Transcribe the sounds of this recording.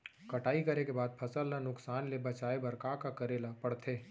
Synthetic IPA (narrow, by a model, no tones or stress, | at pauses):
kɐʈaːikɐɾekebaːd̪̚pʰɐsəlnanʊksaːnlebɐt͡ʃaːebɐɾkakakɐɾeːlapɐɽt̪ʰeː